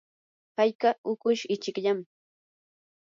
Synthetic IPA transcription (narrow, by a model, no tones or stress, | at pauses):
hajkaʊkʊʃɪt͡ʃɪkʎam